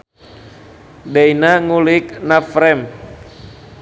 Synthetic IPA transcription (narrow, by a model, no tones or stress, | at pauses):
dɛinaŋulɪk̚nafɾɛm